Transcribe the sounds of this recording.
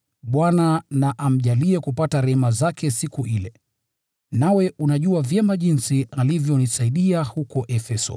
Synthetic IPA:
ɓwananaʔam̩ʄaliɛkupataɾɛhɛmazakʰɛsikuʔilɛ | nawɛʔunaʄuavjɛmaʄinsialivjɔnisaiɗiahukɔʔɛfɛsɔ̰

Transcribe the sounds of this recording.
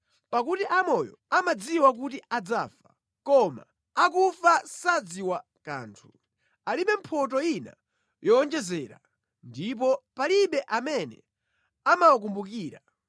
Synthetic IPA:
pakutiʔamɔjɔ̰ | amad͡ziwak̬utiad͡zafa | kɔma̰ː | kufasad͡ziwa | ka̰ːntʰu̥ | aliɓɛm̩pʰɔt̬ɔina̰ | jɔːnd͡ʒɛzɛːɾa̰ | ndip̬ɔpaliɓɛʔamɛnɛ̰ | amawak̬umbukiːɾa

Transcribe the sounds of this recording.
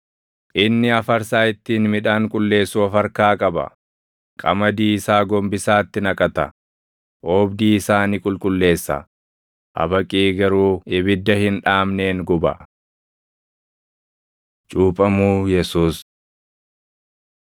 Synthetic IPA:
ʔɪnːɪɐfɐɾsaːɪt̪ːiːnmɪᶑaːŋkʼʊlːe̞ːsːuːɐfɐɾkaːkʼɐbɐ̰ | kʼɐ̰mɐd̪iːɪsaːɡɔmbɪsaːt̪ːɪnɐkʼɐt̪ɐ̰ | ʔoːbd̪iːɪsaːnikʼʊlkʼʊlːe̞ːsːɐ̰ | ʔɐ̰bɐkʼiːɡɐɾuːɪbɪd̪ːɐhɪnᶑaːmne̞ːŋɡʊbɐ | t͡ʃʼuːpʼɐmuːjɛsuːs

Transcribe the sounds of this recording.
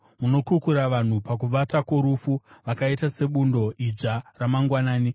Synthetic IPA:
muno̞kukuɾaʋan̤upakuʋatako̞ɾufuʋakaitase̞ɓundo̞ʔid͡ʒaramaŋɡwanaːni

